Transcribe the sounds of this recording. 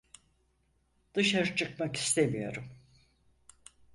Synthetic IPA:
d̪̥ɯʃaɾɯt͡ʃʰɯkmaki̥st̪ʰemijo̞̰ɾum

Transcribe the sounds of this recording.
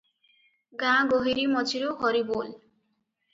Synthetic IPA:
ɡãɡoɦiɾimɔt͡sʰiɾoɦɔɾibol

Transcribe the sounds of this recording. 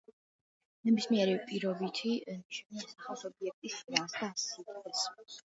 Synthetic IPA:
nɛbismiɛɾipʼiɾɔbit̪ʰit͡ʃʰɛnsaχalˠsɔbiɛk̚t̪ʼisasd̪asit̪ʼɛs

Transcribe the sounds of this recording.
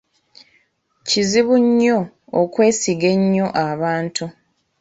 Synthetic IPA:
ciziβuɲːoː | kwe̞ːsiɡe̞ɲːo̞ʔaβaːntu

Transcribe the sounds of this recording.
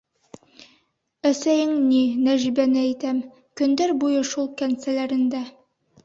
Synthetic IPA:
æsæjɘŋninæʒibænɘæjt̪æm | kɵ̆nd̪æɾbujɤʃulˠkænsælæɾɘ̆nd̪æ

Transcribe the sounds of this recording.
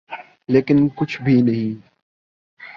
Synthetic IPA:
leːkɪnkʊt͡ʃʰbʱinɐɦĩː

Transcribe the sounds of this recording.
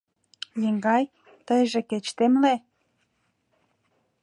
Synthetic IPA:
jeŋɡɑj | t̪əjʒĕket͡ɕt̪emle

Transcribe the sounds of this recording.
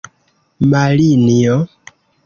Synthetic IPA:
maliniɔ

